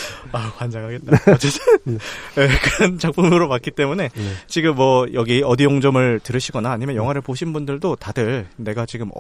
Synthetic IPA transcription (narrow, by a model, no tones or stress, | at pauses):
akwand͡ʑaŋɦaɡe̞t̚t͈at͡ɕet͡ɕ | ekɯɾʌnt͡ɕak̚p͈umɯɾopak̚k͈it͈e̞mune̞t͡ɕiɡɯmːwʌjʌɡiʌdijoŋd͡ʑʌmɯɭtɯɾɯɕʰiɡʌnaːɲimjʌnjʌŋɦaɾɯɭpoɕʰinbundɯɭdotadɯɭne̞ɡat͡ɕiɡɯmʌ̰